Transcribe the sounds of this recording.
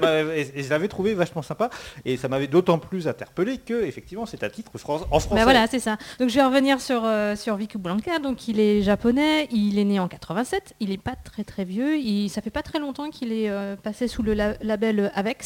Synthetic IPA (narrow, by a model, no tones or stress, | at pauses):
mavɛeʒəlavɛt̪χuvevaʃmɑ̃sɛ̃paesamavɛd̪ot̪ɑ̃plys̬ɛ̃t̪ɛʁpəlekəefɛk̚t̪ivmɑ̃sɛt̪ɛɛ̃t̪it̪χfχɑ̃sɑ̃fχɑ̃bavwalasɛsad̪̥ɔ̃kʒəvɛʁəvəniʁsyʁøsyʁvikublɑ̃kad̪ɔ̃kʰilɛʒapɔnɛilɛneɑ̃kat̪χəvɛ̃sɛt̪ilɛpat̪χɛt̪χɛvjøisafɛpat̪χɛlɔ̃t̪ɑ̃kʰʲilɛøpasesuləlalabɛløavɛks